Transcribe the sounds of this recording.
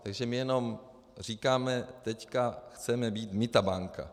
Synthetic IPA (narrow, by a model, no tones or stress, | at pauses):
t̪aɡʒɛmɪjɛno̞m | r̝iːkaːmɛt̪ɛckaxt͡sɛmɛbiːt̪mɪt̪abaŋka̰